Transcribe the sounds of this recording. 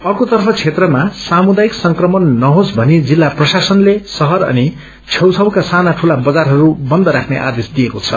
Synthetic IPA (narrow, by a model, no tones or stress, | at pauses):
ʌrkot̪ʌrpʰʌt͡sʰet̪rʌmasamud̪aiksʌŋkrʌmʌnːʌɦosbʱʌnid͡zilːaprʌsasʌnlesʌɦʌɾʌ̰ni | t͡sʰʌwt͡sʰʌwkasanaʈʰulabʌd͡zarɦʌɾubʌnd̪ʌɾakʰneʔa̰d̪esd̪ijekot͡sʰʌ̰